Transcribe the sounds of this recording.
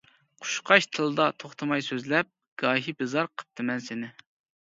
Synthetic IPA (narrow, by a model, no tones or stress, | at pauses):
qʰu̥ʃqʰɑʃt̪ʰɨlˠɨd̪ɑt̪ʰoχt̪ʰɨmɑjsøzlɛp̚ | ɡ̥ɑːɦibɨzɑɾqʰə̥p̚t̪ʰɨmɛnsɪnɪ